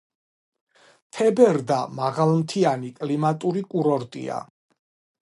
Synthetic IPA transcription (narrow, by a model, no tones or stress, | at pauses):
t̪ʰɛbɛɾd̪amaʁalˠmt̪ʰianikʼlimat̪ʼuɾikʼuɾɔɾt̪ʼḭa̰